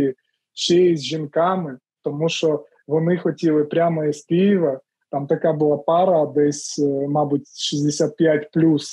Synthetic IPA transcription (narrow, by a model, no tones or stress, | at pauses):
i | t͡ʃɛɛzʲʒinkɑmɪ | t̪ɔmuʃɔ | ʋɔnɪxɔtʲilˠɪpɾʲamɔɛsʲpʲijʋɐ | t̪ɑmt̪ɐkabʊlˠɑpɑɾɐːd̪ɛsʲmɑbutʲʃizʲd̪esʲat̪̚pʲjatʲplʲus